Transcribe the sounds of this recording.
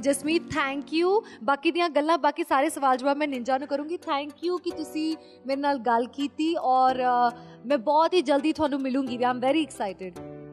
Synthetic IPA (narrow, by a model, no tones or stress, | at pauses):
d͡ʒəsmiːt̪ʰɛ̃ːŋkjuːbaːkiːd̪ijãːɡəlːãːbaːkisaːɾeːsəʋaːld͡ʒʊbaːmɛ̃ːnɪɲd͡ʒaːnũːkəɾũːɡiːt̪ʰɛ̃ːŋkjuːkɪt̪ʊsĩː | meːɾenaːlɡəlkiːt̪iːɔːɾ | mɛ̃ːbɔːt̪ɦiːd͡ʒəld̪iːt̪ʰʊaːnũːmɪlũːŋɡiːʋiãːɪ̃mʋɛːɾiɪksaːɪʈɪɖ